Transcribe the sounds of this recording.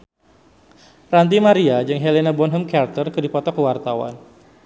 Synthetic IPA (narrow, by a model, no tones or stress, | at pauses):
rant̪̬imaɾiad͡ʒɨŋɦelenabɔnɦəmkart̪ərkɨdipɔt̪ɔkəwart̪awa̰n